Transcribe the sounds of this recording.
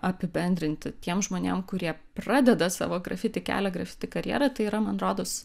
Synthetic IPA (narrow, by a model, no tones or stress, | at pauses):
ɐpʲɪbʲɛnʲd̪ʲɾʲɪnʲt̪ʲɪt̪ʲiɛmʒmoːnʲḛmkʊɾʲiɛ | prɑːd̪ʲɛd̪ɐsɑ̰ːʋoːɡɾɐ̰fʲɪt̪ʲɪkʲæ̰ːlʲɛɡɾɐfʲɪ̥t̪ʲɪkɐɾʲjɛ̰ɾɐt̪ɐɪiɾɐmɐnɾoːd̪os